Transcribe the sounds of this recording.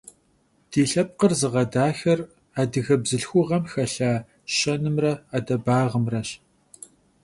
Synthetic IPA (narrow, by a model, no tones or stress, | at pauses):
d̥iːɬɐp̚qərzɨʁɐdaːxɐr | aːdɨɣɐbzɨɬxʷʊʁɐmxɐɬaː | ɕɐnɨmrɐaːdɐbaːʁəmrɐɕ